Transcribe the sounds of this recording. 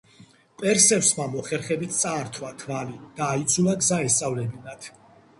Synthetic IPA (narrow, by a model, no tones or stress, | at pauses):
pʼɛɾsɛfsmamɔχɛɾχɛbit̪ʰt̪sʼaːɾt̪ʰwak̪ʰvalid̪̥aːit̪sʰulaɡzaɛst̪sʼavlɛbinat̪ʰ